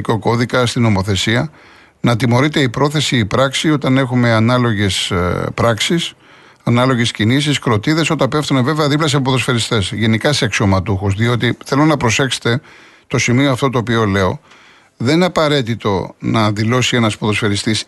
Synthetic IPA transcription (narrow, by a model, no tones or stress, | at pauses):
koko̞ðikɐst̪ino̞mo̞θe̞siɐ | nɐt̪imo̞ɾit̪e̞ipɾo̞θe̞siːpɾɐksio̞t̪ɐne̞xume̞ɐnɐloʝe̞spɾɐksis | ɐnɐlo̞ʝe̞scinis̬iskɾo̞t̪iðe̞so̞t̪ɐpe̞ft̪uneve̞veɐðiplɐs̬iɐpopoðo̞sfe̞ɾist̪e̞sʝe̞nikɐseɐksomɐt̪uxuzðio̞t̪̬iθelo̞nɐpɾo̞se̞xset̪e̞ | t̪o̞simioɐft̪o̞t̪oːp̬io̞le̞o̞̰ | ðenineɐpɐɾe̞t̪it̪o̞nɐðilo̞sie̞nɐspoðo̞sfe̞ɾist̪is